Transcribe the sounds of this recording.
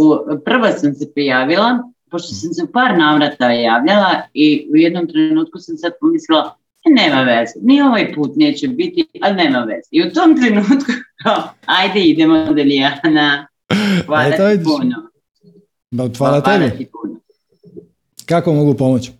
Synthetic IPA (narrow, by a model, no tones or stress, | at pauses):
upr̩ʋasamse̞pɾijaːʋila | po̞ʃt̪osamseupaːɾnaːʋɾat̪ajaːʋʎalaiujed̪nomt̪ɾe̞nuːt̪̚kusamsad̪̚pomislilˠa | neːmaʋezenio̞ʋajpuːt̪neːt͡ɕebit̪iʔalneːmaʋḛz̥eiut̪oːmt̪ɾe̞nuːt̪kukaajd̪eid̪emod̪eliaːna | ʋaːd̪apuno | daxʋaːlat̪ːebet̪ipuːno | kakomoɡupomot͡ɕ